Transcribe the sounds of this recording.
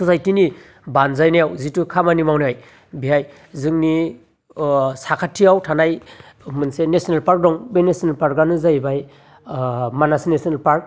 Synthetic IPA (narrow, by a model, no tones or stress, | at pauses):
suzajtini | banzajnajawzitukʰamanimawniaj | biɦaj | zɯŋni | sakʰatʰiawtʰanaj | mɯnsenesinelpaɾk̚dɔŋbenesinelpaɾ̚ɡanɯzajbaj | manasinesinelpaɾk̚